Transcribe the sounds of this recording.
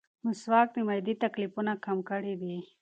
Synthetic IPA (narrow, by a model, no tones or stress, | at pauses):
mʊswɑk̚d̪imajd̪it̪aklifunakamkəɽid̪i